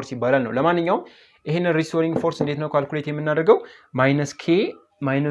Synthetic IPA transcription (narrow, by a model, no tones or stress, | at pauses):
oɾsibːalalnə̰wləmanːɨɲːawm | ʔɪɦenːɨnɾist̪ʰoɾiŋɡfo̞ɾsɨnd̪e̞t̪nəwkʰalkulet̪jɛmːɨnːad̪əɾɡəw | majnəskʰe | majnə